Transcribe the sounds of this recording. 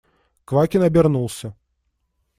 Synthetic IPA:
kvakʲinɐbʲɛrnulˠsʲɐ

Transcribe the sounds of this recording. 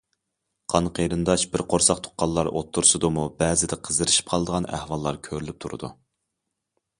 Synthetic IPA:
qʰɑnqʰəɾɨnd̪ɑʃbɪɾqʰoɾsɑqt̪ʰo̥qːɑlˠːɑɾot̪ʰːuɾsɨd̪umubɛːzɪd̪ɛqʰəzɨɾɪʃi̥p̚qʰɑlˠəd̪əʁɑnæ̰hwɑlˠːɑɾkʲʰøɾlyp̚t̪ʰuɾɨ̰d̪ṵ

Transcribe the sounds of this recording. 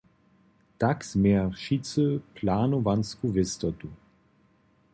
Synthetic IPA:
takz̥mɛʁʃit͡səpʰlaːnɔvanskuvɪst̪ɔt̪u

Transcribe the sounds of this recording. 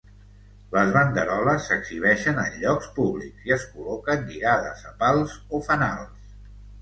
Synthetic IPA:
ləzβənd̪əɾɔləsːəɡz̥iβ̞ɛʃənənʎɔkspuβlḭkz̥iəskulɔkənʎiɣaðəzəpalˠzofəna̰lˠs

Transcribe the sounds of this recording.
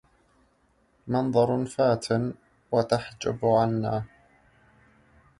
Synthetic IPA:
mɑnðˤɑɾˤfaːt̪ʰɪn | wat̪aħd͡ʒa̰bʕanːaː

